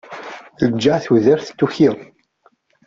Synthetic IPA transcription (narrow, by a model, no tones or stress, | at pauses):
ləd͡ʒːaʕθuðæɾθə̥t͡s̪ːuçi